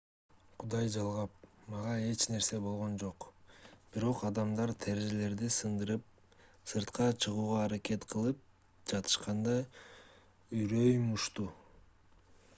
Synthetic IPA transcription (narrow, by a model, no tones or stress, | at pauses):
qʰud̪ɑjd͡ʒɑlˠʁɑp̚mɑʁɑe̞t͡ʃne̞ɾse̞bo̞lˠʁo̞nd͡ʒo̞qb̥iɾo̞qɑd̪ɑmd̪ɑɾt̪ʰæɾeʒele̞ɾd̪isɯnd̪ɯɾɯp̚ | sɯɾt̪qɑt͡ʃʰɯʁuːʁɑːɾake̞t̪qʰɯlˠɯp̚ | d͡ʒɑt̪ʰɯ̥ʃqɑnd̪ɑ | yjɾøjmuʃt̪u